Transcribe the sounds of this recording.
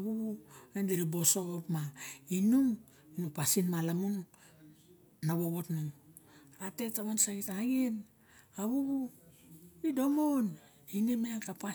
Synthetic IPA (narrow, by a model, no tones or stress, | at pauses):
aβuβuendiɾibo̞soopmainuŋ | inupasinmalamun | naβoβotnuŋ | ate̞taβonsaɡitaɡin | aβuβu | ido̞mon | inimeakapa